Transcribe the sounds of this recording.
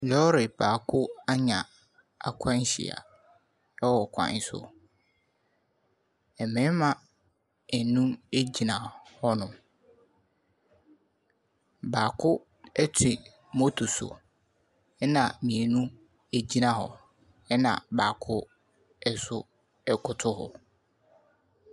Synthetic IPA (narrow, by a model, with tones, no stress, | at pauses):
lɔ˦ɾɪ˨b̥aː˨kʰʊ˦a˦ɲã˨ | a̰˨kʷʰã˦n̩˦ɕḭ˨a̰˨ | ɛ˦wɔ˨kʷʰã̰˨n̩˨sʊ̰˨ | ɛ˨mɪ̃˦mã˨ | ɛ˨nũ˦e˦d͡ʑi˨nã˨hɔ˦nʊ̃˨ | baː˨kʰʊ˦ | ɛ˦tʰɪ˨ | mo˦tʰʊ˨sʊ̰˨ | ɛ˦nã˨mĩ˨e˨nũ˦ | æ˨d͡ʑi˦nã˨hɔ̰˨ | ɛ˦nã̰˨baː˨kʰʊ˦ | ɛ˦sʊ˦ | ɛ˦kʰʊ˨tʰʊ˦ɦɔ̰˨